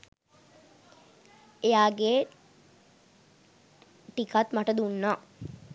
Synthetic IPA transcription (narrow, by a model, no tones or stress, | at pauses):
ejaːɡe | ʈikat̪maʈəd̪unːaː